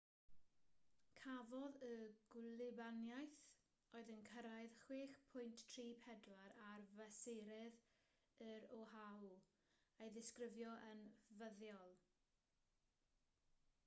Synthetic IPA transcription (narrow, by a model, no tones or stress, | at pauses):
kʰavɔðəɡlˠɪbanjajθ | oːɨðənkʰəɾaɨðχweːχpʰʊjnttʰriːpʰɛdlaɾarvɛseɾɛð | əɾɔhaw | ejðɪskrɪvjɔʔənvəðjɔlˠ